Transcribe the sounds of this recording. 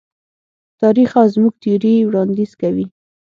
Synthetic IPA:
t̪ɑɾixazmuɡ̚t̪iɾiwɽɑnd̪iz̥kawi

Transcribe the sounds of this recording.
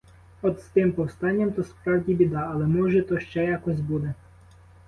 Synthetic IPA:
ɔd̪st̪ɪmpɔwst̪ɑnʲːɐmt̪ɔspɾɑwdʲibʲid̪ɑːlˠɛmɔʒɛt̪ɔʃt͡ʃɛjɑkɔsʲbud̪ɛ

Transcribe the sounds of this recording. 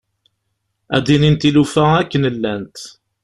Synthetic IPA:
æ̰d̪inint̪ilufæækːənəlːænt̪

